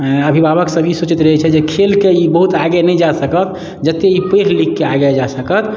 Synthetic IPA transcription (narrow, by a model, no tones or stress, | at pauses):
əbʱibabəksəbisot͡ʃit̪ɾəɦɛt͡ʃʰɛd͡ʒekʰelkeibəɦut̪aɡenɛjd͡ʒasəkət̪ | d͡ʒət̪ːeipeɾlikːeaɡed͡ʒasəkət̪